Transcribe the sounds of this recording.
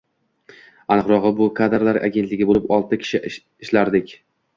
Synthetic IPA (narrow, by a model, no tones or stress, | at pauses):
anɨqɾɒʁɨbʊkʰad̪ɾlaɾʔa̰ɡʲent̪lɪɡʲɪbolɪpɒlˠt̪ʰɪkʲʰɪ̥ʃɪ | ɪʃlaɾd̪ɪkʲ